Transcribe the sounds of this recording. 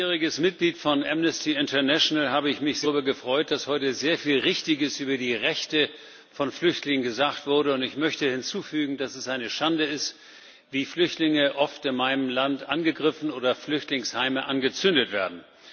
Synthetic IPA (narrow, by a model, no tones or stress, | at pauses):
ʁɪɡəsmɪt̚ɡ̥liːtfɔnʔɛmnəstʰiɪntɐnɛʃonəlɦaːbəɪçmɪçz̥ʁyːbɐɡəfʁ̥ɔʏt̚d̥ashɔʏtəzeːɐfiːlʁɪçtɪɡəsʔyːbɐdiːʁɛçtə | fɔnflʏçtlɪŋənɡəzaːxtv̥ʊɐɾəʊntɪçmœçtəhɪnt͡suːfyːɡŋ̩dasɛsʔaɪnəʃandəɪst | v̥iːflʏçtlɪŋəʔɔftɪnmaɪnəmlantʔanɡəɡʁɪfn̩oːɾɐflʏçtlɪŋshaɪməʔanɡət͡sʏndətv̥eːɐdn̩